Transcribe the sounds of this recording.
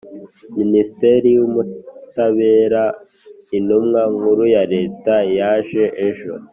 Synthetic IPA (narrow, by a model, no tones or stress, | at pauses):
ministeɾijumutaβe̞ːɾa | inumŋaŋuɾujaɾe̞ːtajaːʒeʔeʒo̰